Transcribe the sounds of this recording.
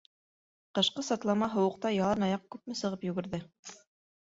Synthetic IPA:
qɤ̆ʃqɤsɑt̪lˠɑmɑɦŏwɤ̆q̚t̪ɑjɑlˠɤnɑjɑq̚kʉp̚mɘsɤ̆ʁɤpjʉɡɘ̆ɾðɘ

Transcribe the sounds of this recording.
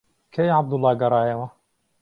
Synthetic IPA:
kʰɐjʕab̚d̪ʊlːɑːɡɐɾˤɑːjɐwɐ

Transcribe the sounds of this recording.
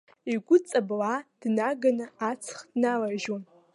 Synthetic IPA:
iɡʷʊt͡sʼablad̥naɡanɨat͡sʰχdnalaʒom

